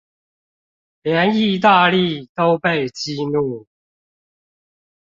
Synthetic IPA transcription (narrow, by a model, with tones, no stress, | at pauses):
ljɛ˧˦˥ni˥˧t̪a˥˧li˥˨t̪o˦ʊpe˥˨ɪt͡ɕi˥nu˥˩˨